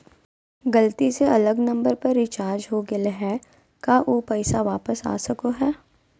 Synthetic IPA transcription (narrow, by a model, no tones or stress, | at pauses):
ɡɐlt̪iseɐləɡnɐ̃mbəɾpɐɾːɪt͡ʃaːɾd͡ʒɦoɡelɦɛː | kaʔoːpɛɪsaʋaːpəsa̰ːsɐkoɦɛː